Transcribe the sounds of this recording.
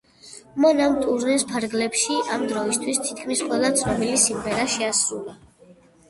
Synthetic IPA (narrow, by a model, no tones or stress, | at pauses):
mɔnamt̪ʼuɾnɛspʰaɾɡlɛpʃiʔamd̪ɾɔist̪ʰwist̪ʰit̪̚ʰkʰmisqʼwɛlˠat̪sʰnɔbilisimʁɛɾaʃɛasɾulˠa